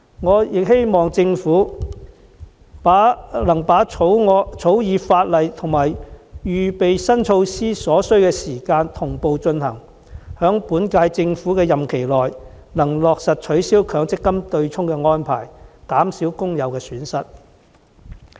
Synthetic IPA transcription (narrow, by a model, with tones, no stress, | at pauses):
ŋɔː˨˧jɪ˨k̚he˥jmɔː˨ŋt͡sɪ˧ŋfuː˨˥ | pːlɐ˨˩ŋpaː˨˥o˨˥wɔ˧t͡sʰo˨˥wjiː˨˧faː˧t̚lɐ˨jt̪ʰʊ˨˩ŋmaː˨˩jɥyː˨pe˨jsɐ˥nt͡ʃʰo˧wsiː˥sɔː˨˥sɵ˥ɥkɛː˧siː˨˩kaː˧nt̪ʰʊ˨˩ŋpo˨wt͡ʃɵ˧nhɐ˨˩ŋ | hœː˨˥ŋpuː˨˥nkaː˧jt͡sɪ˧ŋfuː˨˥kɛː˧jɐ˨mkʰe˨˩jlɔː˨j | nɐ˨˩ŋlɔː˨k̚sɐ˨t̚t͡ʃʰɵ˨˥ɥsiː˥wkʰœː˨˧˥ŋt͡sɪ˥kːɐ˥mt̪ɵ˧ɥt͡sʰʊ˥ŋkɛ˧ŋɔː˥npʰa̰ː˨˩jkaː˨˥msiː˨˥wkʊ˥ŋjɐ˨˧wkɛː˧syː˨˥nsɐ˥t̚